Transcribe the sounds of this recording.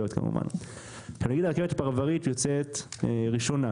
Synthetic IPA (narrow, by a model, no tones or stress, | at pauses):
ot̪ka̰mṵva̰n | kanaɡid̪akevet̪ḁpaʁavaʁit̪jot͡set̪ʁiʃona